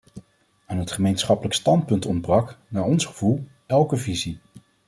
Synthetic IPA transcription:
aːnɦətχəmejnsχɑpələkstɑntpɵntɔnd̚brɑknaːɹɔnsχəv̥ulˠ | ɛlˠkəvizi

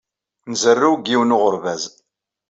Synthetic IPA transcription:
nzərːuwɡiwənʊʁəɾvæz

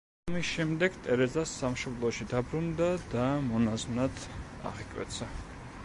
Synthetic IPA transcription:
amisʃɛmd̪ɛɡt̪ʼɛɾɛzasːamʃɔblˠɔʃid̪abɾund̪ad̪amɔnaznat̪ | a̰ʁikʼwɛ̰t̪sʰa

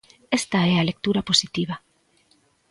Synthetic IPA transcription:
est̪aɛalek̚t̪uɾaposit̪iβ̞a

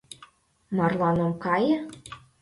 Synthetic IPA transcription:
mɑrlɑnɤ̆mkɑjɤ̆

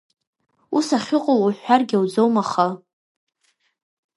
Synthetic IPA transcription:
usaχʲɪqʼoluħʷᶣarɡʲawd͡zowmaχa

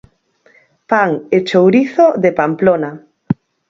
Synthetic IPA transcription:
paŋet͡ʃowɾiθoðepamplona

